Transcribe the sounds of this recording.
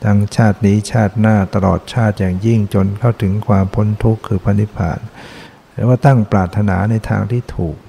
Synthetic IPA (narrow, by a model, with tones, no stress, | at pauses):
t̪ʰaː˧ŋt͡ɕʰaː˥˩t̪̚niː˦˥t͡ɕʰaː˥˩t̪̚naː˥˩t̪a˧lɔː˨˩t̪̚t͡ɕʰaː˥˩t̪̚jaː˨˩ŋji˥˩ŋt͡ɕo˧nkʰa˥˩wt̪ʰɯ˩˦ŋkʰwaː˧mpʰo˦˥nt̪ʰu˦˥kʰːɯː˧pʰa˧nːi˧˦˥pʰa̰ː˨˩n | ɛː˧˦waː˥˩t̪a˥˩ŋpɾaː˨˩t̪ʰːa˧naː˩˦na˧jt̪ʰa̰ː˧ŋt̪ʰiː˥˩t̪ʰuː˨˩k̚